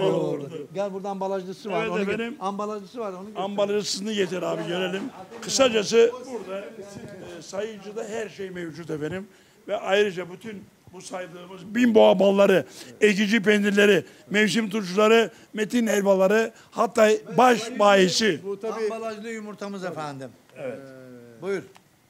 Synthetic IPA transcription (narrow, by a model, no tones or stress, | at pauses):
ouɾd̪aælʲbuɾd̪aːmbalˠaʒlˠɯsɯavɛt̪efenimambalˠaʒˠɯsvaɾonambalˠaʒɯsɯznɯjet̪ʰiɾaːbiɟø̞ɾelʲimkʰɯsad͡ʒas̬ɯbuɾd̪a | sajɯd͡ʒɯd̪aɦæɾʃejmevd͡ʒut̪efenim | vɛʔajɾɯd͡ʒabyt̪ʰyn | busajd̪ˠɯːmɯzbinboabalˠːaɾɯecid͡ʒipend̪iɾlʲe̞ɾi | mevs̬imt̪ut͡ʃulˠaɾɯ | met̪inɛlʲbalˠaɾɯ | hat̪ːaːbaʃbaːjisialˠad͡ʒlˠɯjumuɾt̪ʰamɯzefænd̪im | ɛvɛt̪bujɾ